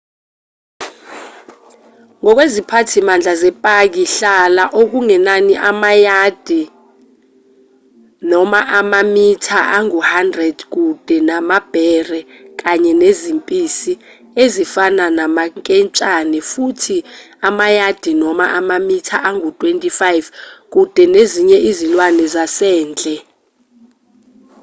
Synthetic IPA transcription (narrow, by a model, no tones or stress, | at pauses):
ŋɔk̬wezipʰatʰimand͡ɮʱazɛpʼak̬iɬalaʔok̬uŋɛnaniʔamajad̥ʱi | nɔmaʔamamitʰaʔaŋuhandrɛd̥k̬ud̥ʱɛnamab̥ʱɛrɛk̬ʼaɲɛnezimpʼisi | ezifananamaŋkʼɛnt͡ʃʼanɛfutʰi | amajad̥ʱinɔma̰ʔamamitʰaʔaŋutʼwentʼifajvk̬ʼud̥ʱɛneziɲɛʔizilwanɛzasɛːnd͡ɮʼɛ